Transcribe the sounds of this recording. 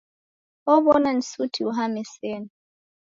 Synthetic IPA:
ɔβɔnan̩sutʰiuɦamɛsɛn

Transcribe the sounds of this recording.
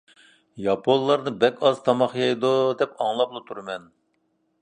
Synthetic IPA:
jɑpʰonllːˠɑɾnɨbɛkʲɑzt̪ʰɑmɑχjɑjd̪ud̪ɛpɑŋlˠɑplˠɨt̪ʰuɾɨmɛn

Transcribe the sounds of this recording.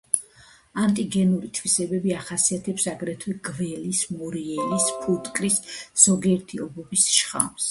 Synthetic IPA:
ant̪ʼiɡɛnuɾit̪ʰwisɛbɛbiaχasiat̪ʰɛpsaɡɾɛt̪ʰwɛɡvɛlismɔɾiɛlispʰut̪ʼkʼɾisz̥ɔɡiɛɾt̪ʰiɔbɔbisʃχa̰ms

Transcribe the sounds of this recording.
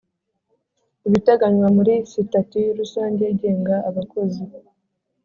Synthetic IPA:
iβitaɡaɲwamuɾisitatiɾusaːɲɟeɟe̞ːŋɡaːβako̞zi

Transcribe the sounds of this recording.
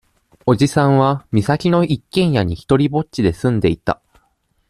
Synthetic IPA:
o̞ʑisãɰ̃βamʲisakʲino̞ʔikːẽ̞ɰ̃jaɲ̟içi̥t̪o̞ɾʲibo̞tt͡ɕid̪e̞sɨ̃nd̪e̞it̪a̰

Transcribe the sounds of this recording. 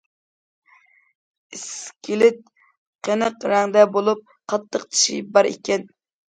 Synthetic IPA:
iskʲilɪt̪̚ | qʰənəqɾæŋd̪ɛbolˠup̚ | qʰɑt̪ʰːəqt̪ʰi̥ʃḭbɑɾḛkʲɛn

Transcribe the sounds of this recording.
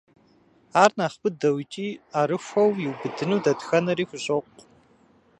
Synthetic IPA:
aːrnaːχbɨdɐwt͡ʃʼiːaːɾɨxʷɐwjɪwbɨdɨnuːdɐdxɐnɐɾiːxʷʊɕʼoqʷ

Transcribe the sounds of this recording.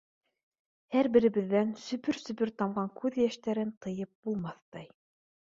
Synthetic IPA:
hæɾbɘ̆ɾɘ̆βɘ̆ðːænsɵ̆pɵɾsɵ̆pɵɾt̪ɑmʁɑŋkʰʉðjæʃt̪æɾɘnt̪ɤ̆jɤp̚b̥ulˠmɑθt̪ɑj

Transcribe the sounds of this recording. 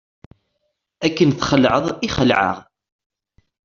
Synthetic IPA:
ækːənθχəlʕəðˤiχəlʕə̰ʁ

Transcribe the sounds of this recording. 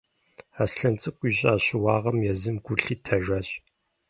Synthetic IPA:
aːsɬɐnt͡sʼɨkʷʼiːɕʼaːɕɪwaːʁɐmjɛzɨmɡ̥ʷʊɬiːtʰɐʒʷɐːɕʼ

